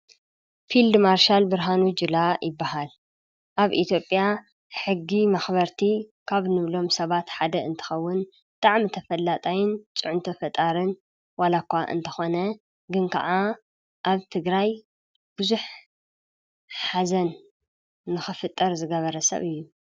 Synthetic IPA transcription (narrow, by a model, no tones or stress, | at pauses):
fild̪maɾʃalbɨɾɦanud͡ʒɨlajɪbːaɦal | ʔaβʔit̪ʰjo̞pʼja | ħɨɡːimaxβɐɾt̪ʰikʰaβnɨβlo̞msɐβat̪ħad̪ɐɨnt̪ʰɨ̥xɐwːʊn | bt̪ʼaʕmit̪ʰɐfɐlːat̪ʼajɪnt͡sʼɨʕʊnt̪ʰɐfɐt̪ʼaɾɨn | walakʷːaʔɨ̰nt̪ʰɐxo̞nɐ | ɡɨnkʰɐ̰ʔa | ʔaβt̪ʰɨɡɾaj | b̥ɨzuħ | ħazɐnː | ɨxɨfɨt̪ʼːɐɾzɨɡɐβɐɾɐsɐ̰βɨjːu